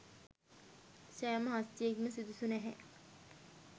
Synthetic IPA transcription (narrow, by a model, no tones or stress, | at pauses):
ʃæːməɦast̪ijekməsid̪usunɛɦɛ̰